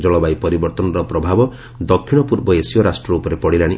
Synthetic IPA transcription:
d͡ʒɔɭɔbajpɔɾibɔɾt̪ɔnɔɾɔpɾɔbʱabɔ | d̪ɔkʰːiɽ̃ɔpuɾbɔesijɔɾasʈɾɔupɔɾepɔɽilaɽ̃i

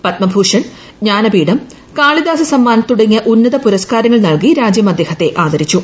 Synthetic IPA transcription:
pɐt̪mɐbʱuːʂɐɳ | ɲaːnɐbiːɽɐm | kaːɭid̪aːsɐsɐmːaːnɐt̪ːuɽɐŋːijɐʔunːɐðɐpuɾɐskaːɾɐŋːɐɭnɐɭkiɾaːd͡ʑjɐmɐd̪ʱːe̞ːhɐt̪ːe̞ʔaːd̪ɐɾit͡ɕːu

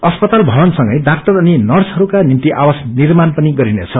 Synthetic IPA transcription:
ʌspʌt̪albʱʌbʌnsʌŋɡʌjdak̚t̪ʌrʌninʌrsɦʌɾukanint̪iʔa̰wasnirmanpʌniɡʌɾinḛt͡sʰʌ

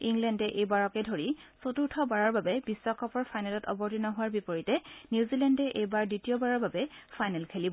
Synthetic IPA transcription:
iŋlɛndɛʔejbaɹɔkɛdʱoɹisotuɹtʰɔbaɹɔɹbabɛbiswɔkʰɔpɔɹfʰajnɛlɔtɔ̰bɔɹtinɔɦʊwaɹbipoɹitɛniuzilɛndɛʔejbaɹditijɔbaɹɔɹbabɛfʰajnɛlkʰelibɔ

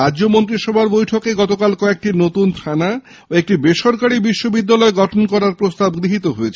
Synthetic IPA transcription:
adːd͡ʑomont̪̬ɾiʃɔbʱaɾbojʈʰokeɡɔt̪okalkɔek̚ʈinot̪unt̪ʰana | oek̚ʈibeʃɔɾkaɾibiʃːobid̪ːalɔeɡɔʈʰonkɔɾaɾpɾost̪abɡɾiɦit̪oɦoet͡ɕʰe

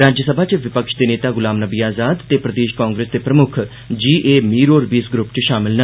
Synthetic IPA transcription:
ɾaːd͡ʒəsəbʱaːt͡ʃʋɪpəkʃd̪eːneːt̪aːɡʊlaːmnəbiːaːzaːd̪t̪eːpɾəd̪eːʃkãːŋɡɾeːsd̪eːpɾəmʊkʰ | d͡ʒiːʔeːmiːɾoːɾbiːsɡɾʊpt͡ʃʃaːmɪlnə

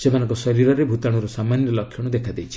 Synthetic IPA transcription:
semanɔŋkɔsɔɾiɾɔɾebʱut̪aɽ̃uɾusamanjɔlɔkʰːjɔɽ̃ud̪ekʰad̪ejt͡ʃʰi̥

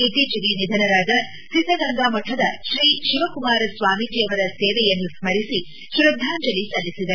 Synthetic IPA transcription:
it̪iːt͡ʃɐɡinid̪ʱɐnɐɾaːd̪ɐ | sid̪ʱːɐɡɐŋɡaːmɐʈʰːɐd̪ɐʃɾiːʃiʋɐkumaːɾɐsʋaːmid͡ʒijɐʋɐɾɐseːʋɛjɐnːusmɐɾisi | ʃɾɐd̪ʱːaːɲd͡ʒɐlːisɐlːisid̪ɐ

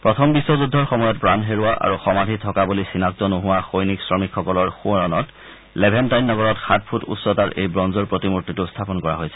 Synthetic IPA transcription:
pɹɔtʰɔmbiswɔzudʱːɔɹxɔmɔjɔtpɹanɦeɹʊwaʔa̰ɹuxɔmadʱitʰɔkabulisinak̚tɔnoɦʊwaxojniksɹɔmikʰxɔkɔlɔɹxuɔɹɔnɔt | lebʱɛntajnːɔɡɔɹɔtxat̚pʰutṵssɔtaɹʔḛjbɹɔnzɔɹpɹotimutːitustʰapɔnkɔɹa̰ɦojsɛ̥

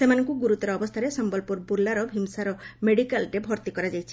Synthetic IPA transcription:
semanɔŋkuɡuɾut̪ɔɾɔːbɔst̪ʰaɾesɔmbɔlpuɾbulːaɾɔbʱimsaɾɔmeɽikalɾebʱɔɾt̪ikɔɾad͡ʒajt͡ʃʰi̥

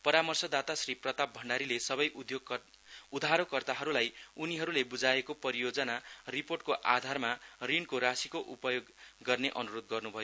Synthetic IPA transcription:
pʌɾamʌrsʌd̪at̪asriprʌt̪ab̚bʱʌɳɖaɾilesʌβʌjʔud̪joɡ | ud̪ʱaɾokʌrt̪aɦʌɾulajuniɦʌɾulebud͡zaekopʌɾijod͡zʌnariporʈ̚koʔad̪ʱarmarinkoɾasikoʔupʌjoɡːʌrneʔʌnuɾod̪̚ɡʌrnubʱʌjo

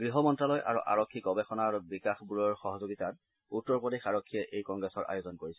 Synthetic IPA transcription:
ɡɹiɦɔmɔntɹalɔjʔa̰ɹṵʔa̰ɹɔkʰːikɔbexɔnaɹbikaxbuɹɔɹxɔɦɔzoɡitat̚ | utːɔɹpodexaɹɔkʰːijɛʔejkɔŋɡɹɛsɔɹa̰jozɔnkoɹisɛ

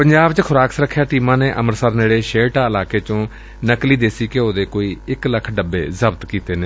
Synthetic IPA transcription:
pəɲd͡ʒaːbt͡ʃkʰʊɾaːksɾəkʰːjaːʈiːmãːneːʔəməɾsəɾneːɽeːʃeːʈaːɪlaːkeːt͡ʃõː | nəkliːd̪eːsiːkeoːd̪eːkoːiːɪkləkʰɖəbːḛːzəbt̪kiːt̪eːneː

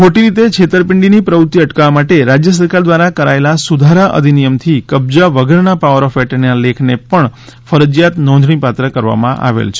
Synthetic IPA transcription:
kʰoʈiɾit̪et͡ʃʰet̪əɾpɪɳɖinipɾəut̪ːiəʈkaʋamaʈeɾad͡ʒjəsəɾkaɾd̪ʋaɾakəɾaelasud̪ʱaɾaʔə̰d̪ʱinijəmt̪ʰikəb̚d͡ʒaʋəɡəɾnapaʋəɾɔfʋɛʈənalekʰnepəɳ | fəɾəd͡ʒjat̪nɔ̃nd̪ɳ̃ipat̪ɾəkəɾʋa̰mã̰ʔa̰ʋḛlt͡ʃʰe

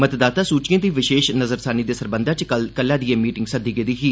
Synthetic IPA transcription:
mət̪d̪aːt̪aːsuːt͡ʃkẽːt̪iːʋɪʃeːʃnəzəɾsaːniːd̪eːsəɾbənd̪aːt͡ʃkəlkəlːãːd̪ieːmiːʈɪŋɡsəd̪iːɡeːd̪iːɦiː

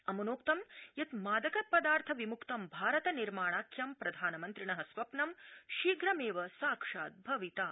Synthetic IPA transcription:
ɐmɐnoːkt̪ɐmjɐt̪maːd̪ɐkɐpɐd̪aːɾt̪ʰɐʋimukt̪ɐmbʱaːɾɐt̪ɐniɾmaːɳaːkʰjɐmpɾɐd̪ʱaːnɐmɐnt̪ɾiɳɐɦɐsʋɐpnɐmʃiːɡɾɐmeːʋɐsaːkʂaːt̪̚bʱɐʋit̪aː

